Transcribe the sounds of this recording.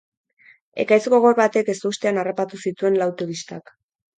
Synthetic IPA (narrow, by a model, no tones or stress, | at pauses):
e̞̰kajsko̞ɣo̞ɾβat̪e̞ke̞st̪uust̪e̞anarapat̪usit̪ue̞nlawt̪uβist̪ak